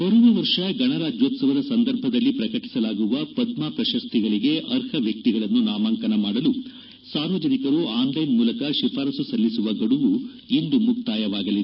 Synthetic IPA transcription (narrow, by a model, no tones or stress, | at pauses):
pɐɾuʋɐʋɐɾʂɐɡɐɳɐɾaːd͡ʒjoːt̪sɐʋɐd̪ɐsɐnd̪ɐɾbʱɐd̪ɐlːipɾɐkɐʈi̥sɐlaːɡuʋɐpɐd̪maːpɾɐʃɐst̪ʰiɡɐɭiɡe̞ʔɐɾhɐʋjɐk̚t̪iɡɐɭɐnːunaːmaːŋkɐnɐmaːɽɐlu | saːɾʋɐd͡ʒɐnikɐɾuaːnlɐjnmuːlɐkɐʃipʰaːɾɐsusɐlːisuʋɐɡɐɽuʋu | ind̪umuk̚t̪aːjɐʋaːɡɐlid̪e